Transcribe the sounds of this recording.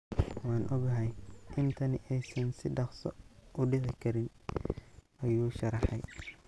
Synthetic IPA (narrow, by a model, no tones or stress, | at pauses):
wɑːnʔɔɡɐɦɛjʔɪnt̪ʰɐnɪʔɛjsɐnsɪɖɑχsɔʔʊɖɪʕɪkʰɐɾɪn | ʔɐjuːʃɐɾɑħɛj